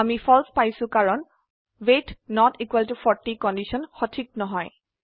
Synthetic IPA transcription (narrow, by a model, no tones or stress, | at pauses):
amipʰɔlspajsʊ̃kaɹɔn | wetnɔtikwaltupʰɔɹtikɔndisɔnxɔtʰik̚nɔɦɔj